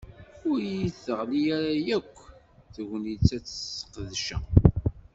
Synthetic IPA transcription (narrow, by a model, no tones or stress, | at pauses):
ʊɾjiθəʁlijæɾæjækʷː | θʝəniit͡sːæt͡sːə̥sqəðʃæ̰